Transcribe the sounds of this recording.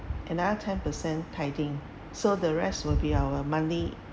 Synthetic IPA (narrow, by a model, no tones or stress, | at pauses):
ʔɛ̃nadətʰɛ̃npəsɛ̃ntʰaɪdĩŋ | sodəɹɛstwɪlbiawəmãni